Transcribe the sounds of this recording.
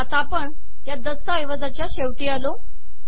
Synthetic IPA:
at̪apəɳ | jad̪əsəəjʋəd͡zat͡ɕjaɕeʋʈiːalo

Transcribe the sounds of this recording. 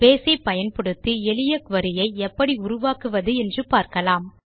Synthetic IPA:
peːsɐɪpɐjɐnpɔɽɯt̪ːiɛlɪjɐkʋɐɾɪjɐɪɛpːɐɽiʊɾʊʋaːkɯʋɐðɯɛndrɯpaːɾkɐlaːm

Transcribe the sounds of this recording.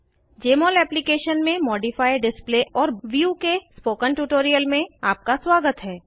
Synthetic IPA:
d͡ʒeːmɔːlɛːplikeːʃənmẽmɔːɖifaːɪɖɪspleʔɔːɾʋjuːkespoːkənʈuːʈoːɾijəlmẽaːp̚kaswaːɡət̪ɦɛː

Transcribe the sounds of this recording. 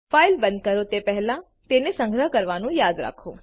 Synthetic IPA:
failbə̃nd̪̚kəɾot̪epɛɦɛlã | t̪enesə̃ŋɡʱɾəɦkəɾʋanũjad̪ɾa̰kʰo

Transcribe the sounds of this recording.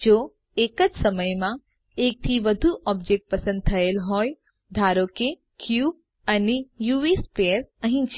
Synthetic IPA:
d͡ʒo | ekəd͡ʒsəməjmã | ek̚t̪ʰiʋəd̪ʱuʔɔb̚d͡ʒek̚ʈ̚pəsə̃nd̪̚t̪ʰəelɦoj | d̪ʱaɾoke | kjub | ənijuespeəɾəɦĩt͡ʃ

